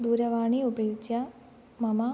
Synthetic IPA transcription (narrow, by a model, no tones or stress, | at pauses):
d̪uːɾɐʋaːɳiubɐjut͡ɕːɐ | mɐmɐ